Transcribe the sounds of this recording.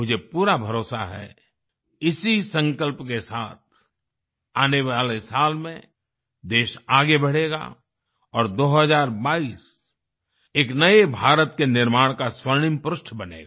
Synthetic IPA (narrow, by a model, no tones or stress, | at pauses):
ʊd͡ʒʱepuːɾabʱɐɾoːsa̰ɦɛ̰ | ɪsisə̃ŋkəlpkesaːt̪̚ʰ | aːneʋaːlesaːlmẽ | d̪eːʃaːɡebɐɽ̤eːɡa̰ | ɔːɾd̪oːɦəzaːɾbaːiːs | eːknɐebʱaːɾət̪kenɪɾmaːɽ̃kaswəɾɳɪmpɾʊʃʈʰbɐnḛːɡaː